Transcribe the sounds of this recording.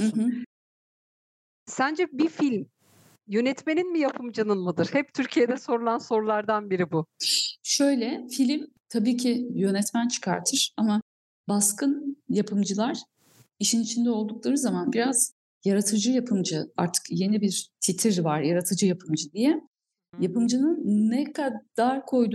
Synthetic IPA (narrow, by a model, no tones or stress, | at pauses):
hɯɦɯ | sænd͡ʒɛbifilʲm | jø̞nɛt̪me̞ninmijapʰɯmd͡ʒanɯnmˠɯd̪ɯɾ̥hɛp̚t̪ʰyɾcʰijed̪ɛso̞ɾulˠanso̞ɾulˠaɾd̪anbiɾibuʃø̞jlʲɛfilʲim | t̪ʰabiːcʰijø̞nɛt̪mænt͡ʃʰɯ̥kʰa̰ɾt̪ʰɯɾ̥ama | baskɯnjapʰɯmd͡ʒɯlˠaɾ̥ | iʃinit͡ʃʰind̪ɛo̞lˠd̪uklˠaɾɯzamanbiɾaz̥ | jaɾat̪ʰɯd͡ʒɯjapʰɯmd͡ʒɯa̰ɾt̪ʰɯ̥kje̞nibiɾt̪ʰit̪ʰiɾvaɾjaɾat̪ʰɯd͡ʒɯjapʰɯmd͡ʒɯd̪ijɛ | japɯmd͡ʒɯnɯnːɛkʰad̪̥aɾkʰo̞jd̪u